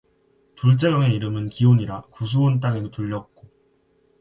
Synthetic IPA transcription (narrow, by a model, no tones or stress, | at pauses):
tuɭt͡ɕ͈eɡʌŋe̞iɾɯmɯnkioɲiɾakus̬ʰuont̬͈aŋedotuʎːʌk̚k͈o